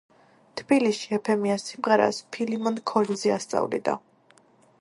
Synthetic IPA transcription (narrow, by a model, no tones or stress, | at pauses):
t̪ʰb̥iliʃiɛpʰɛmiasːimʁɛɾa̰spʰilimɔnkʰɔɾnzɛast̪sʼa̰vlḭd̪a̰